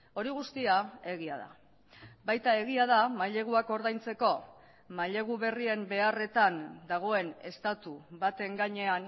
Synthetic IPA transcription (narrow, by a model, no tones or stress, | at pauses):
o̞ɾiɣ̞ust̪iae̞ɣiaða̰ | bajt̪ae̞ɣ̞iað̞amaʎe̞ɣ̞uako̞ɾðajnt͡se̞ko̞ | maʎe̞ɣ̞uβe̞rie̞mbe̞are̞t̪and̪aɣ̞o̞e̞ne̞st̪at̪uβat̪e̞ŋɡaɲe̞an